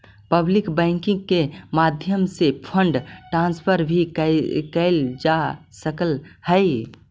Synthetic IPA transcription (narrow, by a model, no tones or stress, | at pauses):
pəblikbɛ̃ɪŋkɪ̃ŋɡ̚kemad̪ʱjəmsepʰəɳɖʈɾãːnspʰəɾbʱikkəɪld͡ʒasəkəlhəɪ